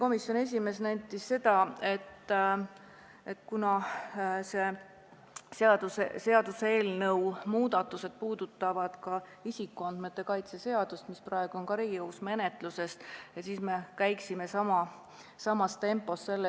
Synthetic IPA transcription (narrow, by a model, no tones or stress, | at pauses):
ko̞misjo̞ne̞s̬ʲime̞snæjt̪ːˑisse̞d̪̥ɑe̞t̪ː | et̪kunɑ | se̞ | seɑd̪̥usese̞ɑd̪̥useːlnɤwmuːd̪̥ɑt̪ːˑuse̞d̪̥̚puːd̪̥ut̪ːˑɑvɑd̪̥kɑ | isikːˑuɑnd̪̥met̪ːˑe̞kɑjt̪sese̞ɑd̪̥ust̪misprɑe̞ɡ̥uo̞nkɑɾijɤwsme̞ne̞t̪ˑluse̞st̪jɑsiːsme̞kæjksime̞sɑmɑ | sɑmɑst̪e̞mpːˑo̞sse̞lːe